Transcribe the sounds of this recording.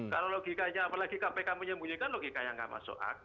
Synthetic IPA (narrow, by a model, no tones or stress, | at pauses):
kaɾoloɡikaɲaːpalaɡikapɛkaməɲəmbujekanloɡikajaŋɡa̰ʔma̰so̰ʔa̰k̚